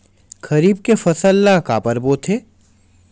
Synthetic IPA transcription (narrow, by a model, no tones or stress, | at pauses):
kɐɾiːb̚kefɐsəlːakaːpəɾboːt̪ʰeː